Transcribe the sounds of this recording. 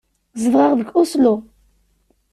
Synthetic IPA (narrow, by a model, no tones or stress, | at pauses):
zəðʁɑʁðəɡʊslu